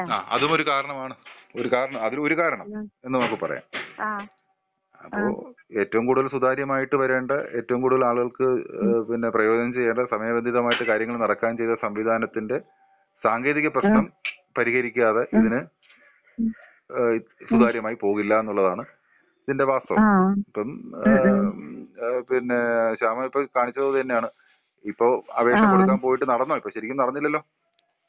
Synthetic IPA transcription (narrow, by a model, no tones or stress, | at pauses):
aːʔɐ̰ðumoɾukaːɾɐɳɐmaːɳɨo̞ɾukaːɾɐɳɐmɐðilo̞ɾukaːɾɐɳɐme̞nːnokːɨpɐrɐ̰ja̰ːm | ɐ̰pːo̰e̞ːtːɐʋumkuːɽuðɐlsud̪aːɾjɐmaːjiʈːɨʋɐɾe̞ːɳɖɨe̞ːtːɐʋumkuːɽuðɐlaːɭuɣɐɭkɨpinːe̞prɐjo̞ːd͡ʑɐnɐmt͡ɕe̞jːeːɳɖɐsɐmɐjɐbend̪ʱiðɐmaːjiʈːɨkaːɾjɐŋːɐɭnɐɽɐkːaːnt͡ɕe̞jt̪ːɐsɐmʋid̪ʱaːnɐt̪ːinde̞ | saːŋɡe̞ːðiɣɐprɐsnɐmpɐɾiɣɐɾikʲːaːðe̞ʔiðinɨ | sud̪ʱaːɾjɐmaːjipo̞ːɣilːɐenːuɭːɐðaːɳɨ | iðinde̞ʋaːst̪ɐʋɐipːɐm | pinːe̞ɕaːmɐmipːokaːɳit͡ɕːɐðot̪ɐnːejaːɳɨ | ipːo̞ːa̰ʋe̞ːkʂɐmkːɐɽukːaːnpoːjiʈːɨnɐɽɐnːoipːɐːɕɐɾikʲːumnɐɽɐnːilːɐlːo̞ː